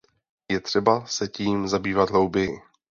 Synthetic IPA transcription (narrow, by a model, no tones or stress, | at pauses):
jɛt̪r̝̥ɛbasɛciːmzabiːvat̪ɦlowbɪjɪ